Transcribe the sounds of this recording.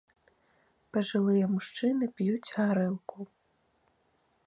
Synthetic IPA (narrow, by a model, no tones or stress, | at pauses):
pɐʐɨvɨjɐmuʂt͡ʂɨnɨpjut͡sʲhaɾɛlˠku